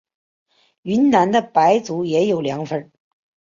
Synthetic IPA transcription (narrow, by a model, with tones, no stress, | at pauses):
y˧˥nna˧˥nd̪ə˧pa˧˥ɪt͡su˧˥jɛ˧˥jo˨˩ʊljɑ˧˥ŋfə˥n